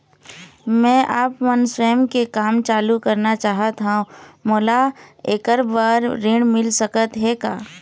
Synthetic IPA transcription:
mɛ̃ːʔaːpmənswɛːəmkekaːmt͡ʃaːlukɐɾnat͡ʃaːɦət̪ɦãũmoːlaeːkəɾbaːɾɾɪ̃ɽmɪlsəkət̪ɦekaː

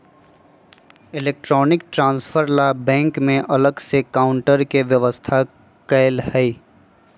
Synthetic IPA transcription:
ɪleːk̚ʈɾɔːnɪk̚ʈɾãːnsfʰəɾlabɛ̃ːŋkmẽʔɐləɡsekaːʊɳʈəɾkeʋjɐʋəst̪ʰa | kɐlhɛi

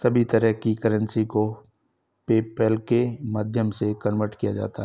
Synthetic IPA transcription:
sɐbʱit̪ɐɾəɦkikɐɾə̃nsiko | peːpəlkemaːd̪ʱjəmsekɐnʋəʈkijad͡ʒa̰ːt̪aɦɛ

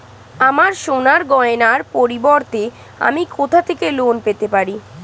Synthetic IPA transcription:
amaɾʃonaɾɡɔenaɾpoɾibɔɾt̪e | a̰mikot̪ʰat̪ʰekelonpet̪epaɾi

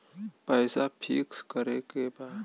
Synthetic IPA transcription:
pəːsapʰikskəɾekebaːd̪

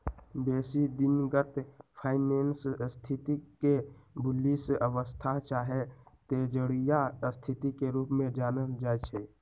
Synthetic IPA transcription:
beːsid̪ɪnɡət̪pʰaːɪneːnsst̪ʰɪt̪ikebʊlisəʋəst̪ʰat͡ʃaːɦet̪eːd͡ʒəɽijast̪ʰɪt̪ikeɾuːpmẽd͡ʒaːnəld͡ʒaːet͡ʃʰeː

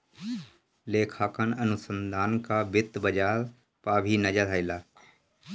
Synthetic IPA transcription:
leːkʰaːkənɐnʊsə̃nd̪ʱaːnkaːbɪt̪bəd͡ʒaːɾ | paːbʱinɐd͡ʒəd̪aːɪlaː

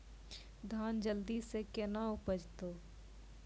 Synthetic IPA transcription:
d̪ʱaːnd͡ʒəld̪isekenaʊpəd͡ʒt̪oː

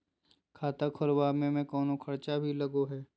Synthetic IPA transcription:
kʰaːt̪əkʰʊɾwamẽmẽkɔːnokʰɐɾt͡ʃabʱilɐɡoɦɛː

